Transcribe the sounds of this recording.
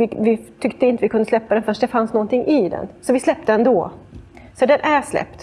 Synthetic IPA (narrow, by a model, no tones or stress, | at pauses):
ɪvɪt̪ʰʏkt̪əɪnt̪əvɪkʰɵnd̪əslɛpːad̪ɛnfœʂʈd̪ɛfansnɔnt̪ɪŋːʔɪd̪ɛ̰nsɔvɪslɛp̚ːt̪əɛnd̪ɔ | sɔd̪ɛnʔæʂlɛ̰pt̪